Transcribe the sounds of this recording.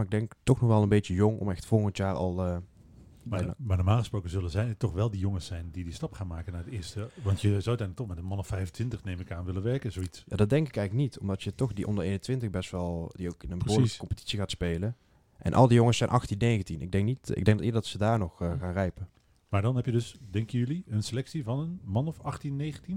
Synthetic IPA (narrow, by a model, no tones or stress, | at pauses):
ɪɡ̚dɛŋktɔxnɔxʋɛlˠənbet͡ʃəjɔŋɔ̰mɛxtfɔlˠɣəntjaːɹɑ̰lˠə | nmaːdəmaːlˠχəsprowkəzɵləzɛjtɔχʋɛlˠdijɔŋəsɛjndidistɑpχaːnmaːkənaːɹədɪːɹstəʋɑntjəzawətɛnləktɔχmɛtənmɑnɔfɛjfəntʰʋɪntəχnejmɪkaːnʋɪləʋɛɹkəzowitsjaːdɑt̚dɛŋkɪkɛjɣələk̚nitʰɔmdɑtjətɔxdiʔɔ̰ndərejnəntʋɪntəɣbɛstʋɛlˠdiowkɪnənbəoːɹlkə̥kɔmpə̥ti̥tsiɣaːtspejlə | ʔɛ̰nʔɑ̰lˠdijoŋəsɛjnʔɑxtinːejɣəntinɪɡ̚dɛŋk̚nitɪ̰ɡ̚dɛŋɡdɑtɪːdədɑtsədaːɹnɔxɣaːnrɛjpən | maːɹdɑnɦɛpjədɵsdɛŋkjəjʏliənselɛksivɑnənmɑnɔfɑχtinːejχəntin